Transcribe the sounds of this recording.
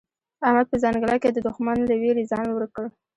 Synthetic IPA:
ahmad̪̚pəzɑnɡəlajked̪əd̪ʊxmanlaweɾezɑnwəɾkəɽ

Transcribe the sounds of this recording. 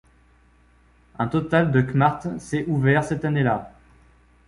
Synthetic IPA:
ɛ̃t̪ɔt̪ald̪əkmaʁt̪sɛʔuvɛʁsɛt̪anela

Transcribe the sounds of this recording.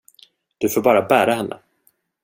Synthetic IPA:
d̪̥ɵfoːɾbɑːɾabæːɾahɛnːʔə̰

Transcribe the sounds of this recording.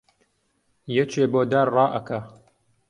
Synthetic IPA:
jɛt͡ʃʰeːboːd̪aːɾrɑːʔɐkʰa

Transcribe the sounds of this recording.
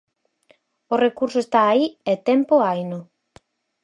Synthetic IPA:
orekuɾsʊest̪aːiet̪ɛmpoajnʊ

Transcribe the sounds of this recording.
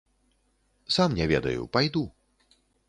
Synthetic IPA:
samnʲɛvʲɛd̪ɐ̰jṵpajd̪u

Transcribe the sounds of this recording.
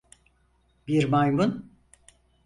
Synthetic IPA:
biɾmajmun

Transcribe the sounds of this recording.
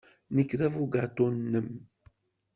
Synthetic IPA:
nəkːðævuɡat̪ˤonːəm

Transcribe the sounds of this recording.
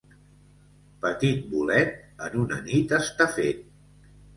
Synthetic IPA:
pət̪it̪̚bulɛt̪̚ənunə̰nit̪əst̪afet̪̚

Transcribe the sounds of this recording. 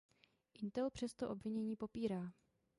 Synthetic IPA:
ʔɪnt̪ɛlpr̝̥ɛst̪oʔo̞bvɪɲɛɲiːpo̞piːɾaː

